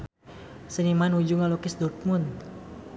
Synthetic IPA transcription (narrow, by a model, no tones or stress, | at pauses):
sənimanud͡ʒuŋalokɪsd̪ɔrt̪̚mʊnd̪